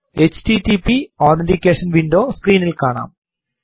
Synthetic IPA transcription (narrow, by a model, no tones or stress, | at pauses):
et͡ɕtitipioːt̪endikʲːeːʂɐnʋindoːskriːnilkaːɳa̰ːm